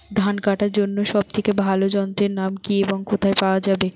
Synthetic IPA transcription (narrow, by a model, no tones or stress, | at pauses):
d̪ʱankaʈaɾd͡ʑonːoʃɔb̚t̪ʰekebʱalod͡ʑɔnt̪ɾeɾnamkieboŋkot̪ʰaepaoad͡ʑabe